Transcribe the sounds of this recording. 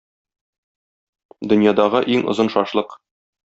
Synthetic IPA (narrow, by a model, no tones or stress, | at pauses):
d̪ɵ̆njɑd̪ɑʁɤʔiŋŏ̰zɤnʃɒʃlˠɤq